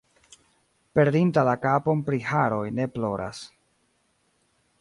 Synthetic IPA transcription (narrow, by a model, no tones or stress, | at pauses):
pe̞ɾdintalakapo̞mpɾihaɾo̞jne̞plo̞ɾʔa̰s